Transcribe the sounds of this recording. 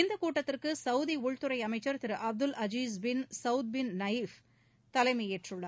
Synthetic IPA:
ɪnd̪ɐkuːʈːɐt̪ːɪrkɯsɐʊðiʊɻt̪ɯɾɐɪɐmɐɪt͡ʃːɐɾt̪ɪɾɯʔɐb̚d̪ɯlʔɐd͡ʒiːzbɪnsɐʊd̪̚bɪnnɐjf | t̪ɐlɐɪmɐjɛʈrɯɭːɐ

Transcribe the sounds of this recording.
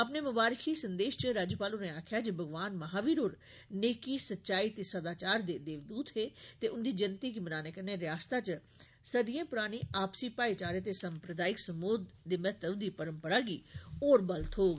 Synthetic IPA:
əpneːmʊbaːɾkʰiːsənd̪eːʃt͡ʃəɾaːd͡ʒəpaːluːneːaːkʰjaːd͡ʒəbʱəɡʋaːnməɦaːʋiːɾoːɾ | neːkiːsətːʃaːiːt̪eːsəd̪aːt͡ʃaːɾd̪eːd̪eːʋd̪uːt̪ɦeːt̪eːʔʊnd̪iːd͡ʒɪnt̪iːkimənaːneːkəneːɾjaːst̪aːt͡ʃ | səd̪ijẽːpʊɾaːñiːaːpsiːpaːit͡ʃaːɾet̪eːsəmpɾəd̪aːɪksəmoːd̪d̪eːmɛɦt̪əbd̪iːpəɾəmpəɾaːɡiːoːɾbəlt̪ɦoːɡ

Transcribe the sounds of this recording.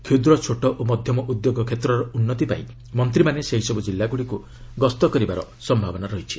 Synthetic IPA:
kʰid̪ɾɔt͡ʃʰoʈɔʔomɔd̪ʱjɔmɔʔud̪joɡɔkʰet̪ɾɔɾɔʔunːɔt̪ipa̰i | mɔnt̪ɾimaneseɦisɔbud͡ʒilːaɡuɽiku | ɡɔst̪ɔkɔɾibaɾɔ | sɔmbʱabɔnaɾɔɦit͡ʃʰi̥

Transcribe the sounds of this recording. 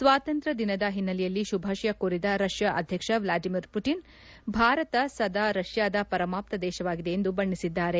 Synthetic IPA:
sʋaːt̪ɐnt̪ɾɐd̪inɐd̪ɐɦinːɐlɛjɐlːiʃubʱaːʃɐjɐkuːɾid̪ɐɾɐʂjɐʔɐd̪ʱjɐkʂɐʋlaːɖimiɾpuʈin | bʱaːɾɐt̪ɐsɐd̪aːɾɐʃjaːd̪ɐpɐɾɐmaːp̚t̪ɐd̪ɛːʃɐʋaːɡid̪e̞ːnd̪ubɐɳːisid̪ːaːɾe̞

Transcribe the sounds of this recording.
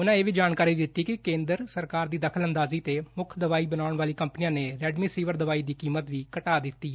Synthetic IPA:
ʊnãːeːʋiːd͡ʒaːnkaːɾiːd̪ɪt̪ːiːkɪkẽːnd̪əɾsəɾkaːɾd̪iːd̪əkʰələnd̪aːziːt̪eːmʊkʰd̪əʋaːiːbənaːʊɳʋaːliːkəmpnijãːneːɾɛːɖmiːsiːʋəɾd̪əʋaːiːd̪iːkiːmət̪ʋiːkəʈaːd̪ɪt̪ːiː

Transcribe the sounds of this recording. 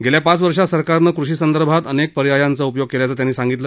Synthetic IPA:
ɡeljapat͡sʋəɾʂasəɾkaɾnəkɾuɕiːsənd̪əɾbʱat̪ənek̚pəɾijajant͡səupjoɡ̚keljat͡sət̪janːiːsaŋɡit̪lə

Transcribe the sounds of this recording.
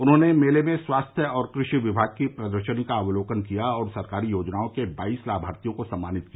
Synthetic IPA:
ʊnɦõːnemeːlemẽswaːst̪ʰjəɔːɾkɾɪʃiʋɪbʱaːɡ̚kipɾɐd̪əɾʃənikaːʋloːkənkijaɔːɾsɐɾkaːɾijoːd͡ʒnaːõkebaːiːslaːbʱaːɾt̪ijõkosɐmːaːnɪt̪̚kiaa

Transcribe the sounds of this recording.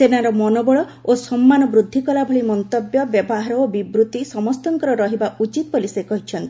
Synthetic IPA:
senaɾɔmɔnobɔɭɔosɔmːanɔbɾud̪ʱːikɔlabʱɔɭimɔnt̪objɔbjɔbɔɦaɾɔobibɾut̪isɔmɔst̪ɔŋkɔɾɔɾɔɦibaʔut͡ʃit̪ɔbɔlisekɔɦit͡ʃʰɔnt̪i

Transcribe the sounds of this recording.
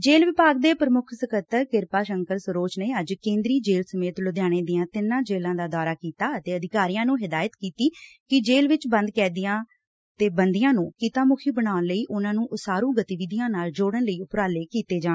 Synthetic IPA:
d͡ʒeːlʋɪpaːɡ̚d̪eːpɾəmʊkʰsəkət̪ːəɾkɪɾpaːʃəŋkəɾsəɾoːt͡ʃneːəd͡ʒkẽːnd̪ɾiːd͡ʒeːlsəmeːt̪lʊd̪jaːɽ̃eːd̪ɪjãːt̪ɪnãːd͡ʒeːlãːd̪aːd̪aːɾaːkiːt̪aːət̪eːəd̪ɪkaːɾijãːnũːɦɪd̪aːjət̪kiːt̪iːkɪd͡ʒeːlʋɪt͡ʃbə̃nd̪kɛːd̪ɪjãː | t̪eːbənd̪ɪjãːnũːkiːt̪ãːmʊkʰiːbəɽaːnləiːʔʊnãːnũːʔʊsaːɾũːɡət̪iʋɪd̪ijãːnaːld͡ʒoːɽənləiːʊpɾaːleːkiːt̪eːd͡ʒaː

